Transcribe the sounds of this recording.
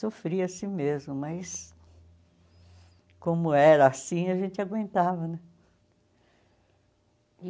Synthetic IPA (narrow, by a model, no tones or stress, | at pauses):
sofɾiɐsĩmezmʊmɐjs | kõmʊɛɾɐːsĩɐʒẽnt͡ʃ̪ɪaɡwẽnt̪avɐnɛ̃